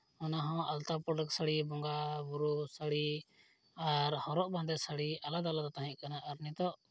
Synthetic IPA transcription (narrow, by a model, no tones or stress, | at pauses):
ɔnaɦɔ̃alt̪apɾɔɖəksəɽibɔŋɡabuɾusaɽi | aɾhɔɾɔʔbãnd̪ɛsəɽialad̪alad̪ɔt̪aɦɛ̃kanaʔːɾnit̪ɔʔ